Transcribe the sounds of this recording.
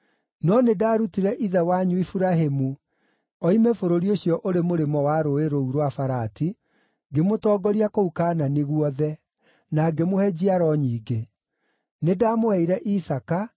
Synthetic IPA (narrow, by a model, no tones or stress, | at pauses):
nɔnedaːɾutiɾɛʔiðɛwaɲuifuɾaɦemu | ɔimefoɾoɾioɕjɔʔoɾemoɾemɔwaɾoeɾouɾowafaɾati | ɡemotɔːɡɔɾiakoukaːnaniɣuɔðɛ | naɡemohɛd͡ʑiaɾɔɲiːɡe | nedaːmohɛiɾɛʔisaka